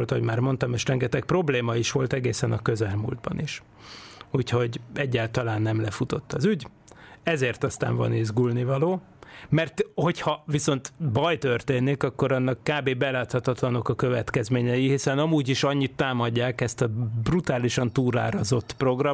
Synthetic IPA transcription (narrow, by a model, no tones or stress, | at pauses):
lt̪ɦo̞ɟmaːrmo̞nt̪ɒmeːʃrɛŋɡɛt̪ɛk̚pro̞bleːmɒiʃʋo̞lt̪ɛɡeːsɛnɒkøzɛlmṵld̪̚bɒ̰niʃ | uːcho̞ɟɛɟːaːlt̪ɒlaːnːɛmlɛfut̪o̞t̪ːɒzyɟ | ɛzeːrt̪ɒst̪a̰ːɱvɒ̰neːzɡulnivɒloː | mɛrt̪ho̞chɒviso̞nt̪bɒjt̪ørt̪eːnːikɒkːo̞ɾɒnːɒkːaːbeːbɛlaːt̪hɒt̪ɒt̪lɒno̞kɒkøvɛt̪kɛzmeːɲɛjihisɛnɒmuːɟiʃɒɲːit̪ːaːmɒɟːaːkɛst̪ɒbrut̪aːliʃɒnt̪uːɾa̰ːɾɒzo̞t̪ːpro̞ɡrɒ